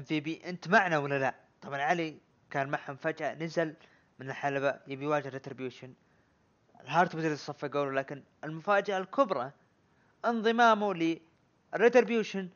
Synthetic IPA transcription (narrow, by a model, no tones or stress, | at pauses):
mθibiʔɪnt̪maʕnawalːala | t̪ˤɑbʕɑnʕali | kaːnmaħhʊmfad͡ʒʔanazal | mɪnɪlħalabajɪbijwaːd͡ʒɪhrɾɪt̪ɾɪbjuːʃan | ɪlɦɑːɾˤt̪bɪd̪ɾt̪sˤɑfːaɡoːlwlaːkɪn | ɪlmʊfaːd͡ʒaʔalkʰʊbɾˤɑ | ʔɪnðˤɨmaːmulɪ | rːɪt̪ɾɪbjuːʃan